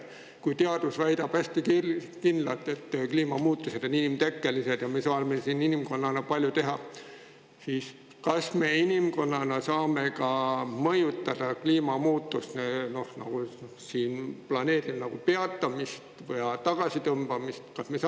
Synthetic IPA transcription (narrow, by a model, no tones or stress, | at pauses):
kujt̪eɑd̪̥usvæjd̪ɑb̥æsʲt̪iki | kindlɑlt̪ːˑe̞t̪ːkliːmɑmuːt̪ːˑuse̞d̪oninimt̪ekːelise̞d̪̥jɑmesɑːnmesiːninimko̞nːɑnɑpɑlʲjut̪e̞ɦɑ | siːs | kɑsme̞inimko̞nːɑnɑsɑːme̞kɑmɤjut̪ːɑd̪̥ɑkliːmɑmuːt̪ːˑust̪neno̞hnɑ̰ɡ̥u | siːnplɑne̞ːd̪imnɑɡ̥upe̞ɑt̪ːˑɑmist̪vjɑt̪ɑɡ̥ɑsit̪ɤmb̥ɑmist̪kɑsmes